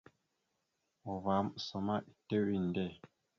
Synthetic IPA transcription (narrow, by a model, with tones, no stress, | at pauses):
ɔ˨va˨˦msɔ˨ma˦ʔi˨te˦wi˦˨ndɛ˦˨